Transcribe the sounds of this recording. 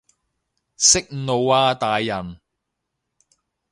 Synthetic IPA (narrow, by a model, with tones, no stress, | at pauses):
sɪ˥k̚ŋ̩˨no˨˧waː˧t̪aː˨jːɐ˨˩n